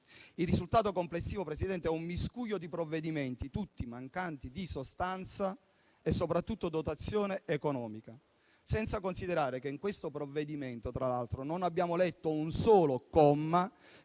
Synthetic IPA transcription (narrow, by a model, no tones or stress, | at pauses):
ilːizult̪aːt̪̬okomplesːiːvopɾesid̪ɛnt̪eɛumːiskuːjod̪ipɾovːed̪imɛnt̪it̪ut̪ːimaŋkant̪id̪isost̪ant̪sa | esːopɾat̪ːut̪ːod̪ot̪at̪sːjoːneːkonɔːmika | sɛnt̪sakonsid̪eɾaːɾekeiŋkwest̪opɾovːed̪iment̪ot̪ɾalalt̪ɾononabːjaːmolɛt̪ːounsɔːlokɔmːa